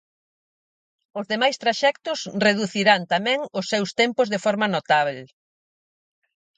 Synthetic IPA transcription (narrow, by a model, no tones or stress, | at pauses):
ʊzðemajst̪ɾaʃɛkt̪ʊsreðuθiɾant̪amɛ̃ŋʊsːɛwst̪ɛmpʊzðefɔɾmɐnot̪aβ̞el